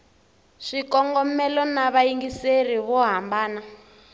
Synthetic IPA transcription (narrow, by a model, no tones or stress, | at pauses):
ʂikɔŋɡɔmɛlɔnaβaiŋɡiseriβɔɦambaːna